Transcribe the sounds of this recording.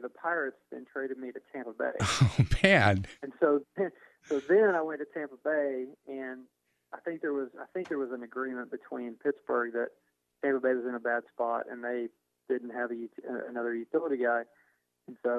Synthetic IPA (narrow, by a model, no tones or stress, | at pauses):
ðəpʰaɪɹɨtsðɨ̰̃ntʰɹ̥eɪɾɨd̚miɾɨtʰæ̃mpəbḛɪoʊb̥æd̥ɨ̃nsoʊ | soʊðɨ̃naɪwɛ̃ntɨtʰæ̃mpəbeɪɨ̃n | ʔaɪθɪ̃ŋk̚ðə˞wʌza̰ɪθɪ̃ŋk̚ðə˞wʌzɨ̃nɨɡɹĩmə̃nb̥ɨtʰw̥ĩnpʰɪtsb̥ə˞ɡ̚ðɨt̚ | tʰæ̃mpəbeɪwʌzɨ̃nɨbæd̥spɑɾɨ̰̃nðeɪ | d̥ɪdⁿn̩t̚ɦɨvɨjʉɨ̰nʌðə˞jʉθɪlˠəɾiɡaɪ̃ | n̩soʊ